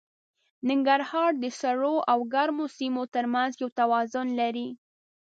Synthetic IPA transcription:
nɪŋɡaɾhɑɾd̪əsaɽoʔawɡaɾmosimot̪əɾmanzjawt̪awɑzʊnlaɾi

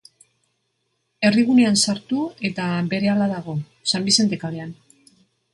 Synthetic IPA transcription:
e̞riɣ̞une̞ansaɾt̪ue̞t̪aβe̞ɾe̞alaðaɣ̞o̞ | sambise̞nd̪ekaðean

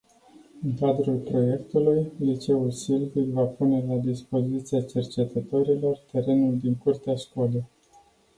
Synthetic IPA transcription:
ɨŋkad̪ɾulpɾo̞je̞kt̪ulujlit͡ʃe̞ulsilvik̪vapune̞lad̪ispo̞zit̪siat͡ʃe̞rt͡ʃe̞t̪ət̪oɾilo̞rt̪e̞ɾe̞nuld̪iŋkurt̪eaʃkole

